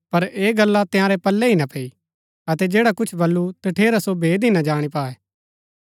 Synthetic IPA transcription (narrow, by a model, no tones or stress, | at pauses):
pɐɾeːɡɐlːat̪ɪjãːɾɛpɐlːɛɦinãpʰɛːi | ɐt̪ɛd͡ʒeːɽakʊt͡ʃʰbɐlːut̪ɐʈʰeːɾasobʱeːd̪inad͡ʒaːɽ̃ipaːɛː